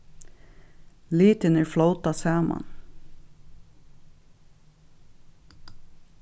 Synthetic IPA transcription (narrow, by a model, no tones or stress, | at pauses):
liːt̪ənəɹfloʊt̪ɑsæːmʔɑ̰n